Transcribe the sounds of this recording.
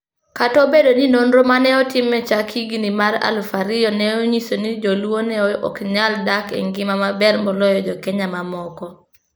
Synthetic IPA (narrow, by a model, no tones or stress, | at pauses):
katɔbedoninonɾomanɛɔtɪmɛt͡ʃakʰiɡinimaɾa̰lfaɾɪjɔnɛoɲisonid͡ʒɔlwonɛɔɔ̰kɲaldakɛ̰ŋɡɪmamabɛrmɔlɔjɔd͡ʒɔkɛɲamamɔkɔ